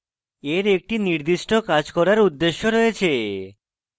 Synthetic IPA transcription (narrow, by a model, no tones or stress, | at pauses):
eɾek̚ʈiniɾd̪iʃʈokad͡ʑkɔɾaɾud̪ːeʃːoɾɔjet͡ɕʰe